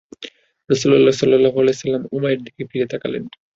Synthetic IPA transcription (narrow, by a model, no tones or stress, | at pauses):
ɾʌsulɔlːasɔlːɔlːaɦoalɛjsɐlːamumaeɾd̪ʱikefiɾet̪akalḛn